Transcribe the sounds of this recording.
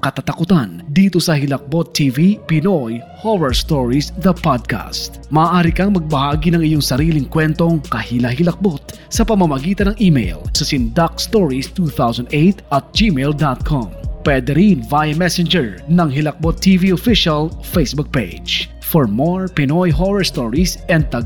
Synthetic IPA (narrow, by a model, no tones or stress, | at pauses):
kɐt̪at̪ɐkʊt̪and̪iːt̪o̞sɐhɪlɐk̚bot̪ʰːivipɪnoj | howɛɹst̪oɹisd̪ɐpad̪̚ka̰st̪̚mɐʔːʔaːɾikɐŋmɐɡ̚bɐhaːɡinɐŋɪjoŋsɐɾiːlɪŋkwɛnt̪o̞ŋkɐhilɐɦɪlɐk̚bo̞t̪̚ | sɐpɐmɐmɐɡiːt̪ɐnɐŋʔimḛjlsɐsɪnd̪ak̚st̪oɹist̪uθawsɐnd̪ejt̪ʔɐt̪̚d͡ʒimeld̪at̪̚kʰompwɛd̪ɛɾinvajɐmɛsɛnd͡ʒɛɹnɐŋɦɪlɐk̚bot̪ʰːiviofiʃɐlfejsbuk̚pejd͡ʒ | fɔɹmoɹpɪnojɦowɛɹst̪oɹisʔɛnd̪̚t̪ɐɡ